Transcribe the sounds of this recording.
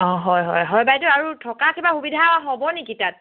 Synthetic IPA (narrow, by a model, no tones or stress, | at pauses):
ɔɦɔjɦɔ̰jɦɔjbajtʊaɹutʰɔkakʰibaxubidʱawaɦɔbɔnɛkitat̚